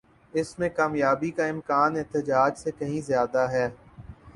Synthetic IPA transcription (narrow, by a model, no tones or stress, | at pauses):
ɪsmẽkaːmjaːbikaɪ̃mkaːnɛɦt̪əd͡ʒaːd͡ʒsekɐɦĩzjaːd̪aɦɛː